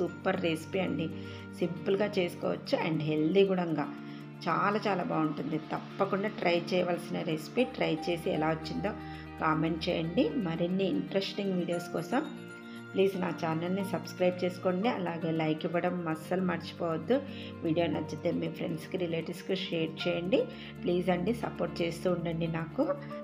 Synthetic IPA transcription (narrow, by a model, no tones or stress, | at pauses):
supːɐɾːespiɐɳɖi | simpɨlɡaːt͡ʃe̞ːsu̥kɔ̰ːʋɐt͡ʃːuɛ̰ɳɖɦeld̪iɡuɽɐŋɡaː | t͡ʃaːlaːt͡ʃaːlaːbaːuɳʈund̪it̪ɐpːɐkuɳɖaːʈɾʔɐjt͡ʃɛːjɐʋaːlsinɐɾespiːʈɾɐjt͡ʃe̞ːsiɛ̰laːʋɐt͡ʃːind̪o̞ː | kaːme̞ɳʈ̚t͡ʃɛ̰ːjɐɳɖimɐɾinːiːɳʈɾesʈiŋɡʋiːɽijoːskɔːsɐm | pliːsna̰ːt͡ʃaːɾnɐlnisɐbskɾɐjb̚t͡ʃeːsu̥koːɳɖiɐlaːɡeːlɐjkiʋɐɽɐmːɐsɐlumaːɾt͡ʃi̥pɔːʋɐd̪ːu | ʋiːɽijoːnɐd͡ʒɐt̪ːeːmiːpʰɾe̞̰ɳɖskiɾileːʈɐɾskiʃeːɾt͡ʃɛːjɐɳɖi | pliːsɐɳɖisɐ̰poːɾʈ̚t͡ʃeːst̪uːɳɖɐɳɖinaːku